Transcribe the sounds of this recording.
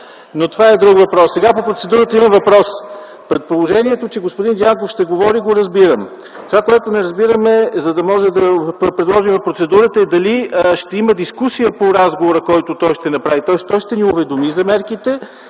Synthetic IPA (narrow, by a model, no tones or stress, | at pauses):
not̪ovaɛd̪ɾukvɐpɾɔsːɛɡapopɾot̪sɛd̪uɾət̪əimɐmvɐpɾɔs | pɾɛt̪̚polˠoʒɛniɛt̪ot͡ʃɛɡospʊd̪ind̪jaŋkofʃt̪ɛɡovɔɾiɡoɾɐzbiɾəm | t̪ovakoɛt̪onɛɾɐzbiɾəmɛzɐd̪ɐmɔʒɛd̪ɐpɾɛd̪lˠɔʒimvɐfpɾot̪sɛd̪uɾət̪əɛd̪ɐliʃt̪ɛiməd̪iskusijəpoɾazɡovoɾəkɔjt̪ʊt̪ɔjʃt̪ɛnɐpɾavit̪ɔɛst̪ɔjʃt̪ɛniʊvɛd̪omizɐmɛɾkit̪ɛ